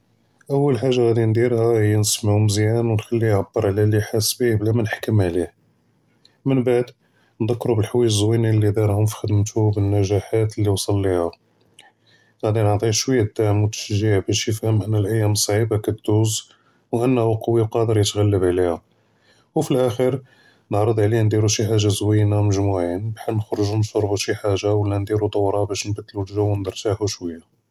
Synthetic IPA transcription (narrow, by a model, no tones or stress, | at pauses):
ʔəwːəlħaʒːaɣæd̪ind̪iɾhæhəjːænəsmʕʊmzjænwnxælːiʕabːəɾˤʕlæliħasbihblæmænħkəmʕlih | mənbaʕd̪ | nd̪ækːɾubəlħwijəzwinilːid̪iɾˤhʊmfi̥xəd̪mt̪ubənːæʒæħat̪əlːiwsˤɑlːiha | ɣæd̪inəʕt̪ˤihʃwəjːad̪ːaʕmut̪ːə̥ʃʒːiʕbæʃjəfhəmʔənːəlʔəjːæmsˤːʕibakæt̪̚d̪uz | wʔənːhuqɑwːiqɑd̪əɾjət̪ɣælːəbʕlihæ | wfilʔæxəɾ | nəʕɾˤəd̪ˤʕlihænd̪iɾuʃiħaʒːazwijnaməʒmuʕinbħanəxɾˤəʒunʃɑɾˤbuʃiħaʒawəlːænd̪iɾut̪ˤɑwɾˤɑbæʃnbæt̪ːlulʒæwːnd̪ɑɾˤt̪aʕhuʃwəjːa